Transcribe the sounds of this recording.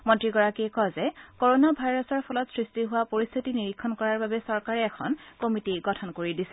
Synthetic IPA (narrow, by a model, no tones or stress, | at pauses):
mɔntɹiɡɔɹakiɛkɔzɛkoɹonabʱajɹɔsɔɹpʰɔlɔtsɹistiɦʊwapoɹist̪ʰitiniɹikʰːɔnkɔɹaɹbabɛsɔɹkaɹɛːxʰɔ̰nkomitiɡɔtʰɔnkoɹidisɛ